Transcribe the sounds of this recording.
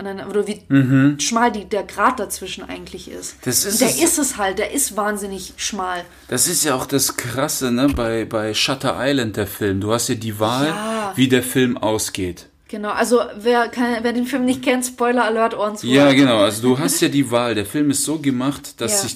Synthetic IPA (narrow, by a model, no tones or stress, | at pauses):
ʔnanʔoːdɐviːm̩ɦ̩ʃmaːldiːdeːɐɡʁaːt̚d̥at͡sv̥ɪʃn̩ʔa̰ɪɡŋ̩tʰlɪçʔɪ̰std̥asɪdeːɐɪstɛshalt̚d̥eːɐʔɪstv̥aːnzɪnɪçʃmaːl | d̥asɪstjaːaʊxd̥askʁ̥asənəbaɪbaɪʃatʰɐʔaɪlant̚d̥eːɐfɪlmduːhastjaːdiːvaːlaviːdeːɐfɪlmʔa̰ʊsɡ̥eːt | ɡ̥ənaʊʔalzoveːɐkʰaɪnveːɐdeːnfɪlmnɪçt̚kʰɛntspɔʏlɐɐlœːɐtʔoːɐdn̩tojaːɡənaʊʔalzoduːɦastjaːdiːvaːldeːɐfɪlmɪstz̥oːɡəmaχtd̥asz̥ɪç